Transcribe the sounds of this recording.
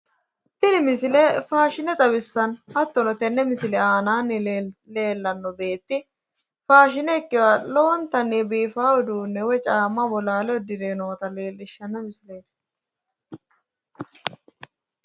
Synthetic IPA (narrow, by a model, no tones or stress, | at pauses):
t̪ːɪnɪmɪsɪlɛfaːʃɪnɛt̪ʼɐbɪsːɐnhɐt̪ːɔnɔt̪ɛnːɛmɪsɪlɛaːnaːnːle̞ːlːɐnːɔbe̞ːt̪ːɪ | faːʃɪnɛkːɪwaːloːnt̪ɐnːebiːfaːwɔd̪uːnːɛwɛt͡ʃʼaːmːɐbɔlaːlɛɔd̪ɪd̪eːnoːt̪ɐleːlːɪʃːɐnːɐmɪsɪleːd̪